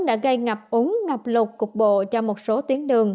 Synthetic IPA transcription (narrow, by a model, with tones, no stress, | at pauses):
ɗa̰ː˧˥ɣə˧jŋa˨˩p̚ʔʊ˨˦ŋŋa˨˩p̚lʊ˨˩k͡p̚kʊ˨˩k͡p̚ɓo̰˧˨t͡ɕɔ˧mo˨˩t̚so˨˦t̪i˨˦ənɗɨ˨˩əŋ